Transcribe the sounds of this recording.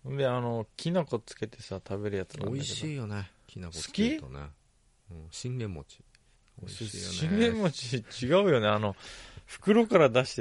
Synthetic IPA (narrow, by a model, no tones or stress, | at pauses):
ɯ̃nd̪e̞ano̞kʲʰinako̞t͡sɨ̥ke̞t̪e̞sat̪ʰabe̞ɾɯ̟jat͡sɨna̰iɕeiːjone | kʲinaksɨ̥kʲit̪onḛ | ɯ̃ɕĩnɡẽmːo̰t͡ɕi̥ | ɕĩnɡẽ̞mːot͡ɕit͡ɕiɡaɯ̟jo̞ne̞ano̞ɸɯ̟̥kɯ̟ɾo̞kaɾad̪aɕi̥t̪e